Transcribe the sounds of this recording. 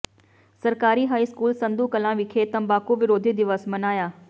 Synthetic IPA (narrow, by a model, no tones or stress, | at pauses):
sɐɾkaːɾiɦaːiskuːlsɐ̃nd̪ʱukɐlãʋɪkʰet̪ɐ̃mbaːkuʋɪɾoːd̪ʱid̪ɪʋəsmɐnaːjaː